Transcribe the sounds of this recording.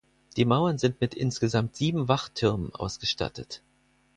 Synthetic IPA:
d̥iːmaʊɐnzɪntmɪtʔɪ̰nsɡ̥əzamtz̥iːbm̩vaχtʰɪɐmənʔa̰ʊsɡ̥əʃta̰tət

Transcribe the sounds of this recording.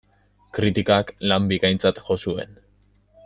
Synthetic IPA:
kɾit̪ikaklambikajnt͡sat̪ʝo̞sue̞̰n

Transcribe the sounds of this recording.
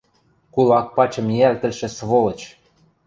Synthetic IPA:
kulɑk̚pɑt͡ɕɤ̆mjælt̪ə̆lʃĕsβolɤ̆t͡ɕ

